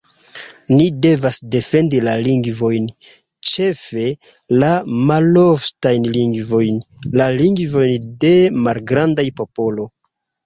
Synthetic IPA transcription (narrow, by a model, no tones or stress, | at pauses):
nide̞vasde̞fe̞ndilaliŋɡvo̞jn | t͡ʃe̞fe̞ | lamaloftajnliŋɡvo̞jnlaliŋɡvo̞jnde̞malɡɾandajpo̞po̞lo̞